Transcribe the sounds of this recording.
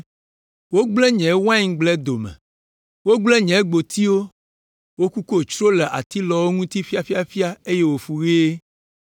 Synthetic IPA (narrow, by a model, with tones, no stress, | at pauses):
wo˦ɡ͡blɛ˦ɲɛ̃˨˦wã˦ĩ˦ŋ˦ɡ͡blɛ˦d̪o˨mɛ̰̃˨ | wo˦ɡ͡blɛ˦ɲɛ̃˨˦ɡ͡bo˨t̪i˦wo˦ | wo˦ku˦ko˦˨t͡ʃɾo˦lɛ˨ʔa˨t̪i˦lɔ˨wo˦ŋũ˦t̪i˦fi˦a˨fi˦a˨fi˦a˦e˦je˦wo˨fu˨ɣi˦e˦